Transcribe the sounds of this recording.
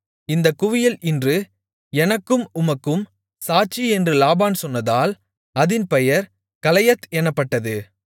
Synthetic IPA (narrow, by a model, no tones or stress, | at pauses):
ɪnd̪ɐkʊʋɪjɐlʔɪndrɯ | ɛnɐkːɯmʊmɐkːɯm | saːt͡ʃːiɛndrɯlaːbaːnsɔnːɐðaːl | ɐðɪnpɛjɐɾ | kɐlɐjɐt̪ːɛnːɐpːɐʈːɐðɯ